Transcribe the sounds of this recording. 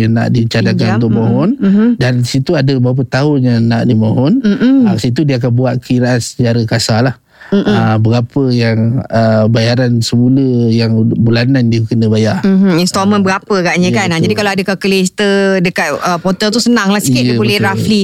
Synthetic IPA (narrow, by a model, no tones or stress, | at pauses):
ana̰ʔdit͡ʃadakanut̪ʊk̚moɦɔndansit̪uadəbəɣap̬ət̪aɦʊnɲanaʔdimoɦɔn̩asit̪̬udiəak̬anbuat̪̚kəiɾaʔansət͡ʃaɾəkasalah | əbəɡapəjaŋəbajaɾansəmuləjaŋbulanandiəkənəbajar̩inst̪ɔmə̃nbəɡapəkaʔɲə̃kanad͡ʒadikaloadəkakəlist̪ədəkat̪̚əpɔt̪əlt̪usənaŋlahsikɪdəbolɛɾafli